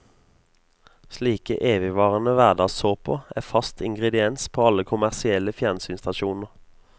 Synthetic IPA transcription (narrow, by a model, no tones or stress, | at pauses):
sliːkəʔeːʋɪʋɑːʁənəʋæʁd̪ɑːsoːpʰoːæːfɑst̪ʰɪŋɡʁɛd̪ɪɛnspʰoːɑləkʰʊmæʁsɪɛləfjænsyːnst̪ɑʃuːnəʁ